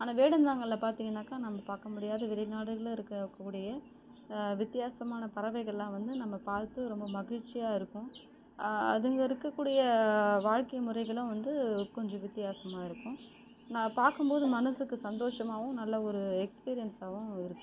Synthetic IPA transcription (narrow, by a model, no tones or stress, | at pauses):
aːnaːʋeːɽɐnd̪aːŋɡɐlːpaːɾt̪iːŋɡɐnːaːkaːnɐmːɐpaːɾkɐmʊɽɪjaːðɐʋɪɾɐɪnaːɽɯɣɐɭ̃ɪɾɯkːɐkːuːɽɪjɐ | ʋɪt̪ːɪjaːsɐmaːnɐpɐɾɐʋɐɪɣɐɭlãːʋɐnd̪ɯnɐmːɐpaːɾt̪ːɯɾɔmbɐmɐɣɪɻt͡ʃːɪjaːɪɾɯkːʊ̃ | ɐ̰ðɯŋɡɐɪɾɯkːɐkːuːɽɪjɐʋaːɻkɐjmɯɾɐɪɣɐɭʊ̃ʋɐnd̪ɯkɔɲd͡ʒɔ̃ʋɪt̪ːɪjaːsɐmaːɪɾɯkːʊ̃ | nɐmːɐpaːɾkɯmboːðɯmɐnɐsɯkːɯsɐnd̪oːʂɐmaːʋɯ̃nɐlːɐɔɾɯɛkspiːɾɪjɐnsaːʋʊ̃ɪɾɯkːɯ̃